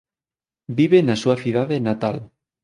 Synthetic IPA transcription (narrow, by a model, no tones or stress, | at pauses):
biβenasuɐθiðaðenat̪al